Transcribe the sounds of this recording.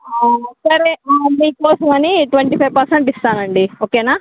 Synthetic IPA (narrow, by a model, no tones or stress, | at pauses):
sɐɾeːmiːkɔːsɐmɐniʈʋɐɳʈiːpʰɐjʋpɐɾseɳʈist̪aːnɐɳɖioːkeːnaː